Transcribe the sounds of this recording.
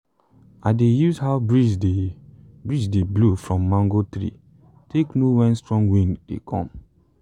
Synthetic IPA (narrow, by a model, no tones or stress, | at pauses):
aɪdejuzhaʊbɹide | bɹid͡ʒdeblofɹɔ̃mːãŋɡotɹḭ | teknowɛ̃nstɹɔ̃ŋɡwĩndḛkʰɔ̰̃m